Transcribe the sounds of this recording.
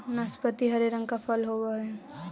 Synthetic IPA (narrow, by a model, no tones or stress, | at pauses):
naspət̪iɦəɾeɾə̃ŋɡkapʰəlɦoʋaɛ